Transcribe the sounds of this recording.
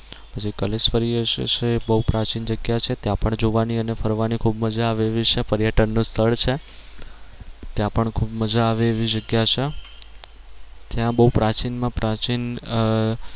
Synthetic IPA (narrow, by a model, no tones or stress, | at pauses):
bəd͡ʒekəlesfəɾiəʃḛt͡ʃebəɦupɾat͡ʃind͡ʒəɡjat͡ʃʰet̪jãpəɳd͡ʒoʋaniənefʰəɾʋanikʰubməd͡ʒaːʋeːʋit͡ʃʰepəɾjəʈənːũst̪ʰəɭt͡ʃʰe | t̪jãpəɳkʰubməd͡ʒaːʋeːʋid͡ʒəɡjat͡ʃʰe | t̪jãbəɦupɾat͡ʃinmãpɾʔat͡ʃin